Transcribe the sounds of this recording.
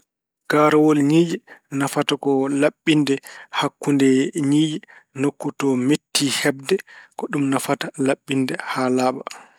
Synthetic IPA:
ɡ̥aːɾawɔlɲiːd͡ʒɛnafatakɔlaɓːindɛhakːundɛɲiːd͡ʒɛ | nokːutɔmetːihɛbdɛkɔɗumnafatalaɓːindɛhaːlaːɓa

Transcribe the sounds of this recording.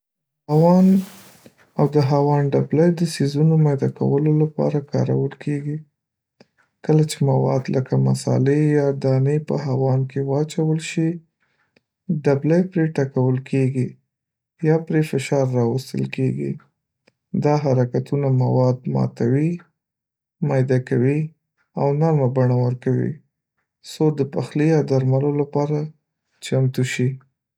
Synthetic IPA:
hawɑn | awd̪əɦawɑnɖablajd̪əsizunomajd̪ɑka̰wəlolapɑ̰ɾakɑ̰ɾa̰wəlkʰeɡi | kəlat͡ʃemawɑ̰d̪ləkama̰sɑ̰lejɑd̪ɑnepə̰ɦawɑnkewɑt͡ʃawəlʃi | ɖablajpɾeʈakawəlkʰeɡi | jɑpɾefɪʃɑɾːɑwəst̪ə̰lkeɡḭ | d̪ɑɦaɾakat̪unamawɑd̪mɑ̰t̪awi | mɑjd̪akawi | awnaɾmabaɳawəɾkawḭ | sod̪əpaxlijad̪aɾmalolapɑɾa | t͡ʃamt̪uʃi

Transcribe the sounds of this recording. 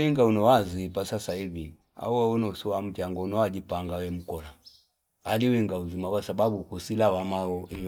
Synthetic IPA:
iŋɡaunɔwazipasasaivi | a̰uaɔnɔusiwam̩t͡ʃaŋɡɔunɔwad͡ʒipaŋɡawɛm̩kɔla | aliwiŋɡauzimakwasababukusilawamaɔi

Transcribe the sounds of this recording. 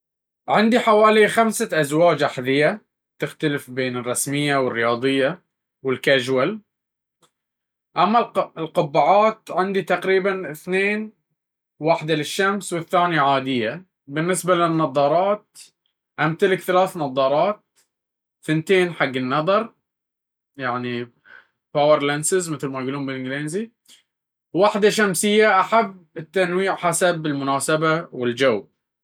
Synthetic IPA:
ʕɪnd̪iħawaːlixamsaʔazwaːd͡ʒʔaħðɪjːa | t̪ɪxt̪alɪfbeːnɪrˤːɑsmɪjːawɪrːɪjɑːd̪ˤɨjːa | wɪlkaʒwal | ʔamːalɪlqʊbːaʕaːt̪ʕɪnd̪it̪aqɾiːbanɪθneːn | waħd̪alɪʃːamswɪθːaːnjaʕaːd̪ɪjːa | bɪnːɪsbalɪnːɑðˤɑːɾˤɑːt̪̚ | ʔamt̪alɪkθalaːθnɑðˤɑːɾˤɑːt̪̚ | θɪnt̪eːnħaɡːɪnːɑðˤɑɾˤ | jaʕni | pawɪɾlansɪzmɪθlmajɡuːluːmbɪlʔɪŋɡleːnzi | waħd̪aʃamsɪjːaʔaħabːɪt̪ːanwiːʕħasabɪlmʊnaːsabawɪld͡ʒaw

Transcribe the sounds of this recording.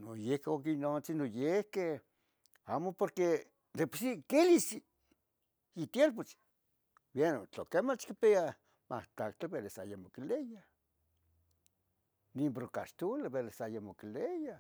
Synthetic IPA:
nojehkeokinot͡sinojehke | amopoɾke | d̪epu̥sikelisi | it̪jeɾp̬ot͡s | bjenot͡ɬokemat͡ʃkipea | mʔa̰ht̪akt̪ebeɾesajamokileja | nimbɾoka̰ʃt̪uleβelesajamokileja

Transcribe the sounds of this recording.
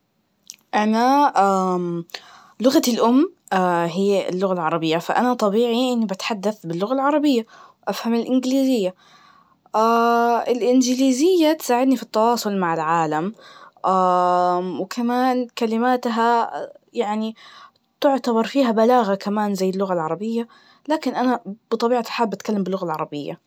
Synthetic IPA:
ʔanaʔa | lʊɣalʔʊmː | aɦiːɪ̰lːʊɣalʕɑɾˤɑbɪjːafaʔanat̪ˤɑbiːʕiʔɪnːibat̪ħad̪ːaθbɪlːʊɣalʕɑɾˤɑbɪjːawʔafhamɪlʔɪnɡliːzɪjːa | ʔaɪlʔɪnd͡ʒɪliːzɪjːat̪saːʕɪd̪nifit̪ːɑwɑːsˤʊlmaʕɪlʕaːlamʔaːwkʰamaːnkalɪmaːt̪ɦajaʕni | t̪ʊʕt̪abɑɾˤfiːɦabalaːɣakamaːnzajːɪlːʊɣalʕɑɾˤɑbɪjːa | laːkɪnʔanab̥ɨt̪ˤɑbiːʕaħaːbːʔat̪kalːambɪlːʊɣalʕɑɾˤɑbɪjːa̰

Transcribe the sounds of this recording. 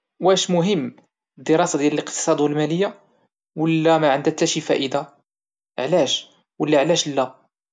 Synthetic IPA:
wæʃmʊɦəmː | əd̪ːəɾˤɑsad̪jælələqt̪ə̥sˤɑd̪wəlmæləjːa | wəlːæmæʕənd̪æt̪ːæʃifæ̰ʔəd̪a | ʕlæʃ | wəlːæʕlæʃlːæ

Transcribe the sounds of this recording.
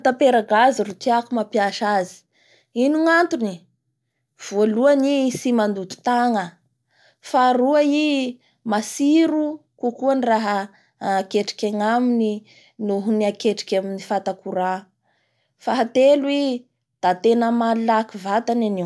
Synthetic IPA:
t̪apeɾaɡaziɾut̪iakumapjaʃazi̥ | inuŋant̪uni | v̥oluanisimand̪ut̪u̥t̪aŋə | faɾuai | masiɾukukuaniraɦə | keʈ͡ʂi̥kʲaŋamini | nuɦuniakeʈ͡ʂi̥kʲaminifat̪akuɾa | faɦat̪elwi | d̪̥at̪enəmallakivat̪anani

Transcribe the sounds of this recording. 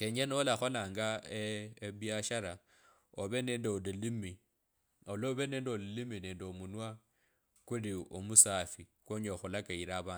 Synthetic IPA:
keɲenolaxo̞laːŋɡaeeβjaʃaɾa | oβe̞ne̞ndeolilimi | oloβe̞ne̞ːndeolilimine̞ːndeomunwa | kuliomusafikwoɲoxulakaiɾaβaː

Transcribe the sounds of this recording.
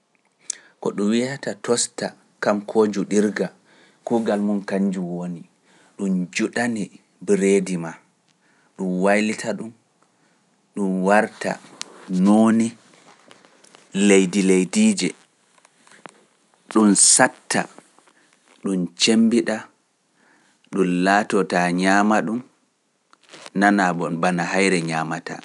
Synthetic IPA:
kɔ̰ɗunwiatatɔsta | kamkʰoːd͡ʒuɗiɾɡa | kuɡalmunkaɲd͡ʒuwoni | ɗund͡ʒuɗani | bɾeːdima | ɗunwajlitʰaɗum | ɗunwaɾta̰noːni | lejdilejdiːd͡ʒɛ | ɗunsatːa̰ | ɗunt͡ʃembiɗa | ɗunlaːtɔtaɲaːmaɗum | nanaɓɔbanahajɾɛɲaːmata̰

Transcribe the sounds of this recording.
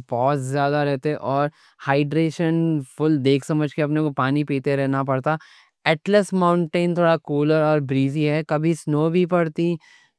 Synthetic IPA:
pɔːtzjaːd̪aɾɛɦt̪eʔɔːɾ | haːɪɖɾeːʃənfʊld̪eːkʰsɐməd͡ʒʱkeɐpnekopaːnipiːt̪eɾɛɦnapɐɽt̪a | ɛːʈləsmãːʊ̃ɳʈẽːnt̪ʰoːɽakoːləɾɔːɾbɾiːziɦɛkɐbʱisnoːbʱipɐɽt̪i

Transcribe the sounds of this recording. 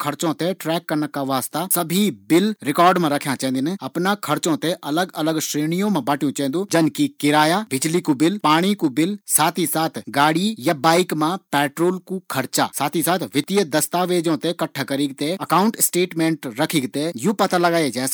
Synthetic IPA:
kʰɐɾt͡ʃõːt̪eʈɾɛːkːɐɾnəkːaʋaːst̪asɐbʱibɪlɾɪkɔːɾɖmãɾɐkʰjãt͡ʃɛ̃nd̪ɪnɐpnakʰɐɾt͡ʃõt̪eʔɐləɡɐləɡʃɾeːñijõmãbaːʈʰijũt͡ʃɛ̃ːnd̪ũd͡ʒɐnkikɪɾaːjabɪd͡ʒlikubɪlpaːɽ̃ikubɪlsaːt̪ʰisaːt̪ʰɡaːɽijabaːɪkmãpɛːʈɾoːlkukʰɐɾt͡ʃa̰ːsaːt̪ʰisaːt̪ʰʋɪt̪ijəd̪ɐst̪aːʋeːd͡ʒõt̪ekɐʈʰːakɐɾiːɡ̚t̪eɐkaːʊ̃ɳʈsʈeːʈmẽːɳʈɾɐkʰɪɡt̪ejupɐt̪alɐɡaːed͡ʒɛːs

